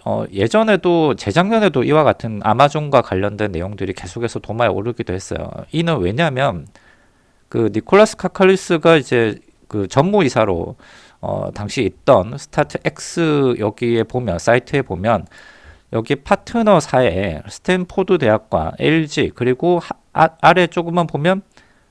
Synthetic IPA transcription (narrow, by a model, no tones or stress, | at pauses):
ʌ̰je̞d͡ʑʌne̞dot͡ɕe̞d͡ʑaŋɲʌne̞doʔiwaɡatʰɯna̰mad͡ʑoŋɡwakwaʎːʌndwe̞nːejoŋdɯɾike̞sʰokʰe̞sʰʌtomaeo̰ɾɯɡidohe̞s͈ʌ̰jo̰inɯnwe̞ɲamjʌn | kɯnikʰoɭːas͈ʰɯ̥kʰakʰʌɭːis͈ɯɡaid͡ʑe̞ | kɯt͡ɕʌnmoisʰaɾo̰ | ʌ̰taŋɕʰiːt̚t͈ʌnsʰɯ̥tʰatʰɯʔek̚s͈ɯjʌɡie̞pomjʌns͈aitʰɯe̞pomjʌnjʌɡipʰatʰɯnʌsʰae̞̰sʰɯ̥tʰenpʰodude̞ɦak̚k͈wa̰nḛʎd͡ʑikɯɾiɡo | aɾe̞t͡ɕ͈oɡɯmanpomjʌn